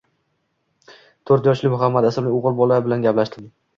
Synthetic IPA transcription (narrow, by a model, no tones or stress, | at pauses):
t̪ʰoɾt̪jɒʃlɪmʊɦamːad̪asɪmnɪoʁɨɾbɒlabɪlanɡʲaplaʃt̪ʰɪm